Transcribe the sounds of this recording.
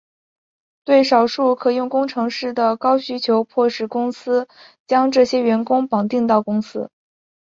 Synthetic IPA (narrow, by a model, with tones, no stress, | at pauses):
t̪we˥˩ɪʂɑ˨˩ʊʂu˥˩kʰɤ˨˩jʊ˥˩ŋkʊ˥ŋʈ͡ʂʰɤ˧˥ŋʂɻ̩˥˩d̪ə˩kɑ˥ʊɕy˥t͡ɕʰjo˧˥ʊpʰwɔ˥˧ʂɻ̩˥˩kʊ˥ŋsɹ̩˥ | t͡ɕjɑ˥ŋʈ͡ʂɤ˥˩ɕjɛ˥ɥɛ˧˥nkʊ˥ŋpɑ˨˩ŋt̪i˥˧ŋt̪ɑ˥˩ʊkʊ˥ŋsɹ̩˥